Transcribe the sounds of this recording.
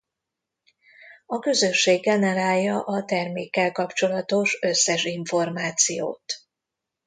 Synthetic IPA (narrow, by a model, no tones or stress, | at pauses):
ɒkø̞zø̞ʃːeːɡːɛnɛɾaːljːɒʔɒt̪ɛrmeːkːɛlkɒpt͡ʃo̞lɒt̪o̞ʃøsːɛʃiɱfo̞rmaːt̪sijo̰ːt̪